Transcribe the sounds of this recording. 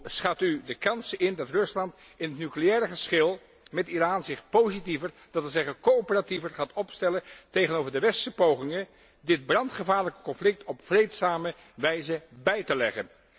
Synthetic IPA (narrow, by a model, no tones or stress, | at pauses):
sχatydəkɑnsɪndɑtrɵslɑnt | ɪnɦətnykleɛːɾəχəsχɪlˠ | mɛtiraːnzɪχpowzitivəɹ | d̥ɑtəzɛχənkoopərativəɹχaːtɔpstɛləntejχənowvəɹdəʋɛstəpowχɪŋən | dɪd̚brɑntχəvaːɹləkə̥kɔnflɪk̚tʰɔpfrejtsaːmə | ʋɛjzəbɛjtəlɛχə̰n